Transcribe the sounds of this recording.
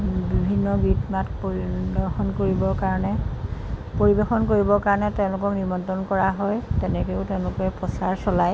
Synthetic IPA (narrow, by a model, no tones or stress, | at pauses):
bibʱinːɔɡitmatpoibɔxɔnkoɹibɔkaɹɔnɛ | poɹibexɔnkoɹibɔkaɹɔnɛteʊ̃lʊkɔknimɔntɔnkɔɹaɦɔjtɛnɛkeʊteʊ̃lʊkɛpɔsaɹsɔlaj